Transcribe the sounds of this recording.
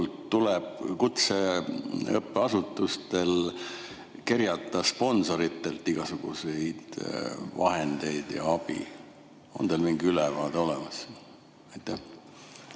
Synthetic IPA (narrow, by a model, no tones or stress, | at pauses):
lt̪ːuleb̥kut̪se | ɤpːeɑsut̪ːˑust̪e̞l | kerjɑt̪ːˑɑspo̞nso̞ɾit̪ːe̞lt̪ːˑiɡ̥ɑsuɡ̥ṵse̞jd̪̥vɑ̰he̞nd̪e̞jd̪̥jɑ̰ɑb̥ḭ | o̞̰nd̪elmiŋɡiylɛvɑːd̪eo̞lemɑs | ɑjt̪ːˑæh